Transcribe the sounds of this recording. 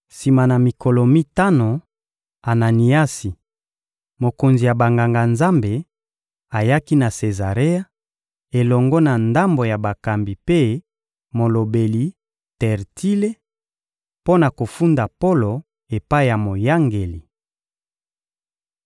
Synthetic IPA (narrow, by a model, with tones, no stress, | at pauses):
si˨ma˨na˨mi˨kɔ˨lɔ˨mi˦ta˦no˨ | a˨na˨ni˨a˦si˨ | mo˨ko˨nzi˨ja˨ba˨ŋɡa˨ŋɡa˨nza˦mbe˨ | a˨ja˦ki˦na˨se˨za˨ʁe˦a˦ | e˨lɔ˨ŋɡɔ˦na˨nda˦mbo˨ja˨ba˨ka˨mbi˨pe˦ | mo˨lo˨be˨li˨ | tɛ˨ʁti˦le˦ | po˦na˨ko˨fu˦nda˨po˦lo˨ | e˨pa˦i˦˨ja˨mo˨ja˦ŋɡe˨li˨